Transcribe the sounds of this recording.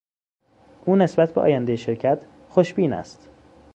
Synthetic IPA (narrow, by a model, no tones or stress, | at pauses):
ʔuːne̞sbæt̪̚ʰbeʔɒ̰ːjænd̪ejeʃeɾcʰæt̪ʰ | xoʃbiːnæ̰st̪